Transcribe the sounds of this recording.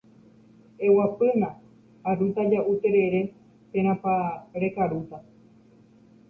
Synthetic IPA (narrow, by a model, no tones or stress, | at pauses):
ewapɨnã | arut̪ad͡ʒaʔut̪e̞ɾeɾe | t̪ẽɾ̃ãpaɾekaɾut̪a